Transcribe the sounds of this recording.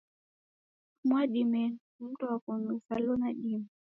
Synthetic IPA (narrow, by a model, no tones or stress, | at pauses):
mwaɗimɛn | m̩tɔwakɔnufalɔnaɗim